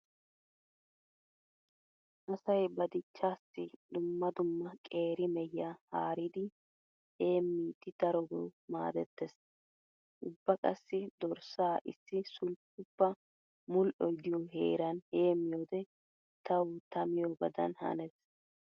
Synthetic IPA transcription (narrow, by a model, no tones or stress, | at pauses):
ʔɐsɐjbɐd̪ɪt͡ʃːaːsɪd̪ʊmːɐd̪ʊmːɐkʼe̞ːɾɪmɛjːahaːɾid̪ɪ | e̞ːmːiːt̪ːɪd̪̥ɐɾɔɡɔ̰wma̰ːd̪ɛt̪ːɛs | ʔʊbːɐkʼɐ̰sːɪd̪ɔɾsaːʔɪsːɪsʊlp̚ʊpːɐ | mʊlʔɔjd̪ɪjɔɦḛːɾɐnhe̞ːmːɪjoːd̪ɛ | t̪ɐwt̪ɐmɪjɔbɐd̪ɐ̰nhɐ̰nɛs